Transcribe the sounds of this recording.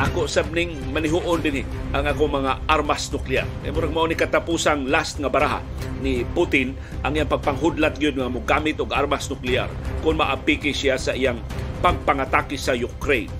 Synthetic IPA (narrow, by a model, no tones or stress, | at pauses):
ʔakoʔsab̚nɪŋmanɪɦuʔond̪ɪnɪ | ʔaŋaːkoŋmɐŋaʔaɾmasnʊklɪa̰ɾɛ̰jmoɾaɡ̚maʔonikat̪apusaŋlast̪̚ŋabaɾaɦa̰ | nɪput̪ɪn | ʔaŋijaŋpɐɡ̚paŋɦʊd̪lat̪̚ɡajod̪̚ŋaʔamʊɡamɪt̪ʊɡaɾmasnʊklɪa̰ɾkʊnmaʔapikɪsɪasaʔijaŋpaɡ̚paŋat̪aːkɪsajʊkɾej